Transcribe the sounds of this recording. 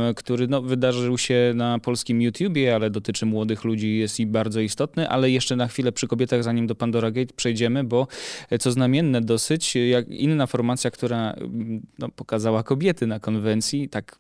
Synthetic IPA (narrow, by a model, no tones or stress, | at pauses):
kt̪uɾɘnɔvɘd̪aʐɘwɕɛnapɔlskʲimjut̪ʲjubʲjɛalɛd̪ɔt̪ɘt͡ʂɘmwɔd̪ɘxlud͡ʑijɛst̪jibaɾd̪zɔist̪ɔt̪nɘʔa̰lɛjɛʂt͡ʂɛnaxfʲilɛpʂɘkɔbʲjɛt̪aɣzaɲimd̪ɔpand̪ɔɾaɡɛjt̪pʂɛjd͡ʑɛmɘbɔt̪sɔznamʲjɛnːɛd̪ɔsɘt͡ɕjakḭnːafɔɾmat̪sʲjakt̪uɾa | nɔpɔ̥kazawakɔbʲjɛt̪ɘnakɔnvɛnt̪sʲjit̪ak